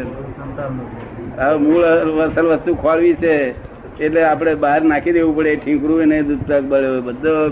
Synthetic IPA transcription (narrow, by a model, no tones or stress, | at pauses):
əmuɭʋəsəlʋəst̪ukʰoʋaɭʋit͡ʃʰeː | ʈleapɽ̃ebaɦəɾnakʰid̪eʋũpəɽeʈʰĩkɾuenəĩd̪ud̪̚t̪ək̚bəɭeobəd̪ʱo